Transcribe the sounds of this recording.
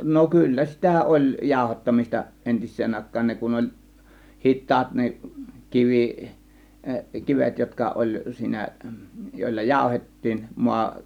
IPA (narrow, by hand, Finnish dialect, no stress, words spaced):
no kylːæ sitæ olʲ jɑˑo̝hɑtːɑmis̆tɑ entisːeːn ɑˑe̝kˑɑːn ne kun olʲ hitːɑːt ne kiʋi kiʋet jotkɑ olʲ siːnæ joˑelːɑ jɑˑo̝hetːiːn muɑ